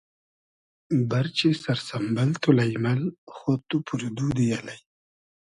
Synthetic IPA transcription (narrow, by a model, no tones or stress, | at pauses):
baɾt͡ʃesaɾsambalt̪ʰulajmalxot̪upʰuɾd̪ud̪əjalaj